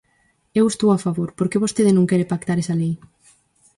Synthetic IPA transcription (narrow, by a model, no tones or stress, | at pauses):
ewest̪owafaβoɾpoɾkeβost̪eð̞ɪnõŋkɛɾepak̚t̪aɾɛsalej